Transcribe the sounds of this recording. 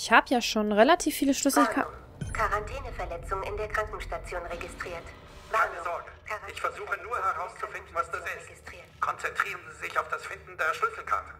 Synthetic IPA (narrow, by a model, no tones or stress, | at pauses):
çhaːbəjaːʃoːnʁelatʰiːfːiːləʃlʏs̩kʰa̰ | kʰaʁantʰɛːnəfɛɐlɛt͡sʊŋɪndeːɐkʁ̥aŋkŋ̩ʃtat͡sjoːnʁeɡɪstʁ̥iːɐt | kaɪnəzɔɐɡəɪçfɛɐzuːxənuːɐhɛʁaʊst͡sufɪndn̩vasd̥uːzɛsstː | kʰɔnt͡sɛntʁ̥iːʁənziːzɪçaʊfd̥asfɪndn̩deːɐʃlʏsl̩kʰa̰tə̥